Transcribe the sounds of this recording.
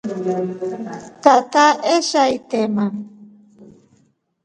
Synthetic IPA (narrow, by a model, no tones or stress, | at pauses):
t̪at̪aʔeʃajt̪emaŋ